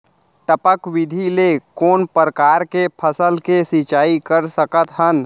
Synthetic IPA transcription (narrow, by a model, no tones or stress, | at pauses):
ʈəpəkwɪd̪ʱilekoːnpəɾəkaːɾkepʰəsəlkesɪt͡ʃaːikəɾsəkət̪ɦən